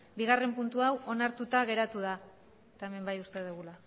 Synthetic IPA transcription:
biɣ̞are̞mpunt̪uawo̞naɾt̪ut̪aɣe̞ɾat̪uð̞a | et̪ae̞me̞mbajust̪e̞ðeɣula

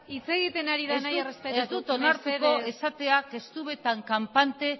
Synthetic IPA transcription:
it͡se̞ɣit̪e̞naɾiðeaznajerespeteuzd̪ut̪onaɾt̪eko̞e̞sat̪e̞ake̞st̪uβe̞t̪aŋkampant̪e̞

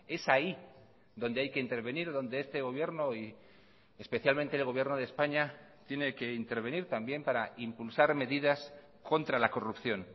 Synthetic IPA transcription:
e̞sai | ðo̞nd̪eajke̞int̪e̞ɾβe̞niɾðo̞nd̪eest̪e̞ɣ̞o̞β̞je̞ɾno̞i | e̞spe̞θjalment̪eːlɣo̞β̞je̞ɾno̞ð̞espaɲat̪je̞ne̞ke̞int̪e̞ɾβe̞niɾt̪ambjempaɾaimpulsaɾme̞ðiðas | ko̞nt̪ɾalako̞rupθjo̞n

